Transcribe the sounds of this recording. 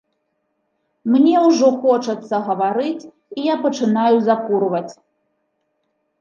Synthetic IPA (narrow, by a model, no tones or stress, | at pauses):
mnʲɛwʐɔxɔt͡ʂɐt̪sːɐɣɐvaɾɨt͡sʲ | ijapɐt͡ʂɨnajuzakuɾvɐt͡sʲ